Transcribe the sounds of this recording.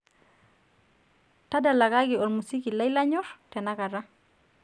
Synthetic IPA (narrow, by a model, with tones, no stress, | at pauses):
ta˦da˨la˨ɡa˦ɡi˨ɔ˨lmu˨si˦ki˨la˦ila˦ɲɔ˦ɾtɛ˨na˦ka˨ɾa˦